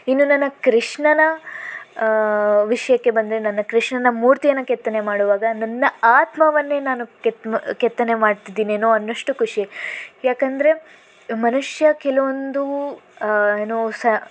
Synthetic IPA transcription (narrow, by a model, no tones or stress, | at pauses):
inːunɐnːɐkɾiʂɳɐnɐ | ʋiʂɐjɐkːe̞bɐnd̪ɐɾenɐnːɐkɾiʂɳɐnɐmuːɾt̪ijɐnːɐkɛt̪ːɐne̞maːɽuʋaːɡɐnɐnːɐaːt̪mɐʋɐnːe̞ːnaːnuket̪kɛt̪ːɐnemaːɖt̪id̪iːnieːnːoːɐnːɐʂʈukuʂijaːkɐnd̪ɐɾe̞ | mɐnuʂjɐkɛlɐʋond̪u | eːnosɐ